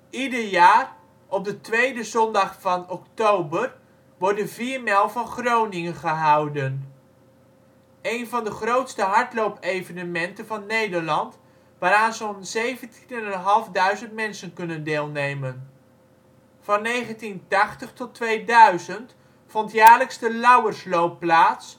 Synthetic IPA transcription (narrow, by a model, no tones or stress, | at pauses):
idəɹjaːr | ɔb̚dətʋejdəzɔndɑχfɑnɔktowbər | ʋɔɹdəviːɹmɛlˠvɑnχrownɪŋənχəɦɑwdən | ejnvɑndəχrowtstəɦɑɹtlowpejvənəmɛntənvɑnːejdəɹlɑnt | ʋaːɾaːnzonzejvəntinɛnɛnɦɑlˠvdœɥzəntmɛnsənkɵnəndɪːlˠnejmən | vɑnːejχəntintɑχtəχtɔtʋejdœɥzənt | fɔntjaːɹləksdəlʌwəɹslowpːlaːts